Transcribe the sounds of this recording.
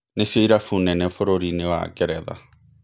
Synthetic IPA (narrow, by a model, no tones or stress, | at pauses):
nesioiɾafunɛnɛfoɾoɾinewa̰kɛɾɛða̰